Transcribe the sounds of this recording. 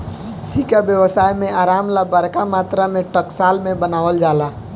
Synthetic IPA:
sikabjəwəsaːjmẽaːɾaːmlabaɾkamaːt̪ɾamẽʈəksaːlmẽbənaːʋəld͡ʒaːla

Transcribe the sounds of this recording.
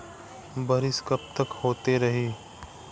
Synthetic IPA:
bɐɾɪskɐp̚t̪əkhoːt̪eɾɐɦiː

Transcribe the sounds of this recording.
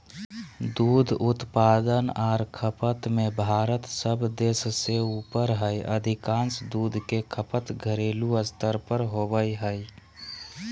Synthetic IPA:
d̪uːd̪ʱʊt̪paːd̪ənɔːɾkʰəpət̪mẽbʱaːɾət̪səbd̪eːsseuːpəɾɦəjʔə̰d̪ʱɪkãːnsd̪uːd̪ʱkekʰəpət̪ɡʱəɾeːluəst̪əɾpəɾɦoːbəjɦəj

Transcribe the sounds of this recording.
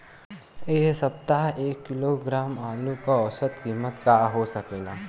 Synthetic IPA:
esɐp̚t̪aɦeːkːɪloɡɾaːmaːlũkaɔsət̪kiːmət̪kaɦosɐkeːɡaː

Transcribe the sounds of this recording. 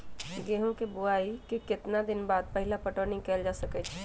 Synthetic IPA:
ɡeɦõkebʊaikikɪt̪nad̪ɪnbaːd̪̚pəɦilapəʈonĩkɛld͡ʒasəkɛt͡ʃʰɛ

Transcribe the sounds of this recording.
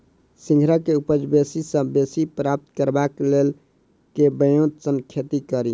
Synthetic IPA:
sĩŋɡʱɾəkeupəd͡ʒbesisə̃besipɾap̚t̪kəɾbaklel | kebəjũt̪sənkʰet̪ikəɾi

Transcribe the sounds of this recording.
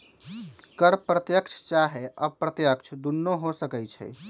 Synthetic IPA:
kəɾpɾət̪jəkt͡ʃʰt͡ʃaɦeʔəbpɾət̪jəkt͡ʃʰd̪unːoɦosəkɛjt͡ʃʰɛ̰

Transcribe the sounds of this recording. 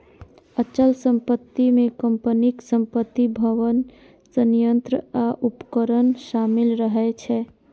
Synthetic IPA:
ət͡ʃəlsəmpət̪ːimẽkəmpəniksəmpət̪ːibʱəʋən | sənijənt̪ɾəaʔupkəɾənʃamilɾəɦɛt͡ʃʰɛ

